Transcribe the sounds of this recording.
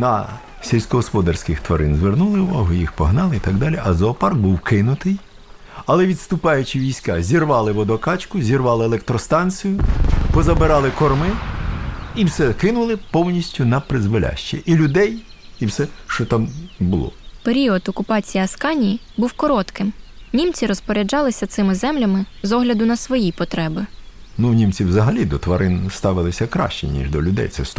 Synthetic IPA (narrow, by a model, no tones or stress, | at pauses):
nɐ̰ | sʲelʲsʲkɔɦɔspɔd̪ɐrsʲkɪxt̪ʋɐɾɪ̰nzʋernulˠɪuʋɔɦʊjixpɔɦnɑlˠɪit̪ɑɡd̪ɑlʲiʔɐzɔːpɑrɡ̚buwkɪnʊt̪ɪj | ɐlˠɛʋʲid̪st̪ʊpɑjʊt͡ʃɪʋʲijsʲkɑzʲirʋɑlˠɪʋɔd̪ɔkɑt͡ʃkʊzʲirʋɑlˠɪeːlˠɛk̚t̪ɾɔst̪ɑnt͡sʲɨjʊpɔzɐbɪɾɑlˠɪkɔrmɪ | iwsɛkɪnʊlˠɪpɔwnʲisʲtʲʊnɐpɾɪzʋɔlʲa̰ʃt͡ʃɛʔilʲʊd̪ɛj | iwsɛʃt͡ʃɔt̪ɑmbʊlˠɔ̰peɾʲiɔt̪ɔkʊpɑt͡sʲijiɐskɑnʲiji | buwkɔɾɔt̪kɪmnʲimt͡sʲiɾɔspɔɾʲɛd͡ʒɑlˠɪsʲɐt̪sɪmɪzɛmlʲɐmɪ | zɔɦlʲɐd̪ʊnɐsʋɔjipɔt̪ɾɛbɪ | nunʲimt͡sʲiwzɐɦɐlʲid̪ɔt̪ʋɐɾʔɪnst̪ɑʋɪlˠɪsʲɐkɾɑ̰ʃt͡ʃɛ̰nʲḭʒd̪ɔ̰lʲʊd̪ɛ̰jt̪sɛ̰s